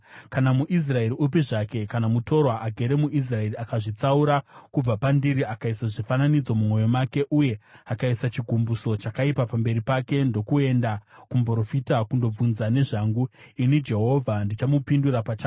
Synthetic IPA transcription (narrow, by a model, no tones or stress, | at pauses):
kanamuʔis̬rae̞ɾiup̬iʐake̞kanamuto̞rwaʔaɡʱe̞ɾe̞muʔis̬rae̞riakaʐit͡sauɾakub͡vapandiɾiakaisaʐifananid͡zo̞mumo̞jo̞make̞ʔuje̞akaisat͡ʃiɡʱumbuso̞t͡ʃakaipapambe̞ɾipake̞ndo̞kue̞ndakumbro̞fitakundo̞b͡vunzane̞ʐaŋɡuinid͡ʒe̞ɦo̞vʱandit͡ʃamupinduɾapat͡ʃaː